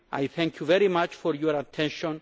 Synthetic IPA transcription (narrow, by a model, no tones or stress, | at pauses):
a̰jθɛ̃ŋkʰjuvɛɾimat͡ʃfɔɾjɔɾat̪ʰɛ̃nʃɔ̃n